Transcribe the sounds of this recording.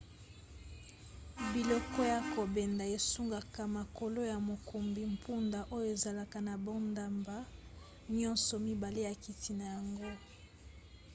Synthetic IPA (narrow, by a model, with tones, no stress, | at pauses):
bi˨lɔ˨kɔ˦ja˨ko˨bɛ˨nda˨e˨su˦ŋɡa˨ka˨ma˨ko˨lo˦ja˨mo˨ku˨mbi˨m̩˨pʰu˦nda˨ʔo˦jo˦e˨za˨la˨ka˨na˨bɔ˦nda˨mba˦ | ɲɔ˦nsɔ˨mi˦ba˨le˦ja˨ki˨ti˨na˨ja˨ŋɡo˦